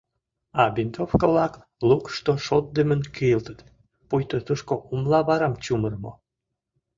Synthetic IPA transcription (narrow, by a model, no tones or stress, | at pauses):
ɑbint̪ofkəβlɑk | lukʃt̪oʃot̪̚d̪əmənkijəlt̪ət̪ | pujt̪ot̪uʃkoʔumlɑβɑɾɑmt͡ɕumərmo̰